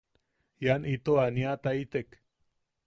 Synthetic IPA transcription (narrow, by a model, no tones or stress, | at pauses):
janʔit̪oaniat̪ait̪ek